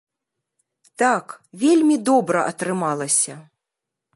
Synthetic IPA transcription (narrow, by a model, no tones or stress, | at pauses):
t̪akvʲelʲmʲid̪ɔbɾɐʔɐt̪ɾɨmalˠɐsʲɐ